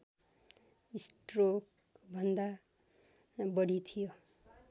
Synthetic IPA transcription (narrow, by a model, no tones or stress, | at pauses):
isʈrok | bʱʌnd̪a | bʌɽit̪ʰijo